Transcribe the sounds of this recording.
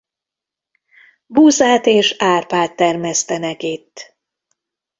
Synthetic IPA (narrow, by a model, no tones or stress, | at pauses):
buːzaːt̪eːʃaːrpaːt̪ːɛrmɛst̪ɛnɛkit̪ː